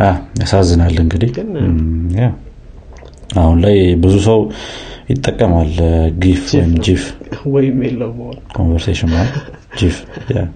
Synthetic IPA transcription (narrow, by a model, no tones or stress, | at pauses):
ʔajasazːɨnalːɨŋɡɨd̪ih | ja | ahunlajbɨzusəwjɪt̪ʼːəkʼːəmalɡifwɔjɪmd͡ʒifwɔjɪmjelːəwmokʰo̞̰nvəɾseʃɪnal | d͡ʒifja̰